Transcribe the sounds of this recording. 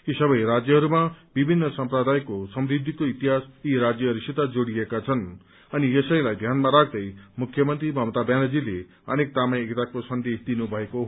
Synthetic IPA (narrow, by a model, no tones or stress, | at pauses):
isʌbʌjɾad͡zjʌɦʌɾumabibʱinːʌsʌmpɾʌd̪ʱajkosʌmɾid̪ʱːikoit̪iɦasiɾad͡zjʌɦʌɾusit̪ad͡zoɽijekat͡sʰʌn | ʌnijʌsʌj̃lajd̪ʱjanmaɾakʰd̪ʌjmukʰːjʌmʌnt̪ɾibʱʌmt̪abjanʌd͡zile | ʌ̰nek̚t̪amajekt̪akosʌnd̪esd̪inubʱʌeko